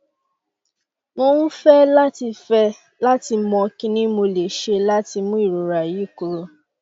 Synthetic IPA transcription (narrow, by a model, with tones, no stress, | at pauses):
mo˧˦nũ˦fɛ˦la˦ti˧fɛ˧ | la˦ti˧mɔ̃˧kĩ˦nĩ˦mo˧le˨ʃe˧la˦ti˧mũ˦i˦˨ɾo˨ɾa˨ji˨˦˨ku˧ɾo˧˦